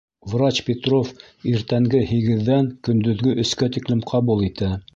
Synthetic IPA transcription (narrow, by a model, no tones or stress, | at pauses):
vrat͡ɕpʲet̪rof | iɾt̪æŋɡɘhiɡɘ̆ðːæŋkɵ̆nd̪ɵ̆ðɡɵʔɵ̆skæt̪iklɘmqʰɑβulˠit̪æ